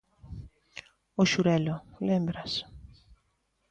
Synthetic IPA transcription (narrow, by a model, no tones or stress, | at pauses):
ʊʃuɾɛlʊlẽmbɾas